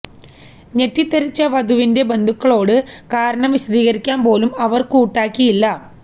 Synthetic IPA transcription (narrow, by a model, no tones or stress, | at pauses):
ɲe̞tːit̪ːɐɾit͡ɕːɐʋɐd̪ʱuʋinde̞be̞nd̪ʱukːɐɭo̞ːɽɨkaːɾɐɳɐmʋiɕɐd̪iːɣɐɾikʲːaːmpo̞ːlumɐʋɐrkuːʈːaːkːijilːɐ